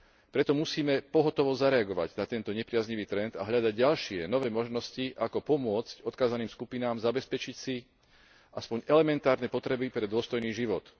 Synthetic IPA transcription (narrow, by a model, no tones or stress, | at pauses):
pɾɛt̪ɔmusiːmɛpɔɦɔt̪ɔʋɔzaɾɛaɡɔʋa̰ɟnat̪ɛnt̪ɔɲɛpɾɪazɲiʋiːt̪ɾɛnd̪aɦʎad̪aɟɟalʃɪɛnɔʋɛːmɔʒnɔsciʔakɔpɔmʊɔt͡scɔt̪kaːzaniːmskupinaːmzabɛspɛt͡ʃicsi | ʔaspɔɲɛlɛmɛnt̪aːɾnɛpɔt̪ɾɛbipɾɛd̪ʊɔst̪ɔjniːʒiʋɔt̪